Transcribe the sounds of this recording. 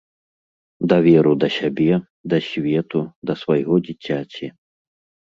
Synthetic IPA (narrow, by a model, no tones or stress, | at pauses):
d̪ɐvʲɛɾud̪ɐsʲabʲɛ | d̪ɐsʲvʲɛt̪ud̪ɐsvajɣɔd͡zʲit͡sʲːat͡sʲi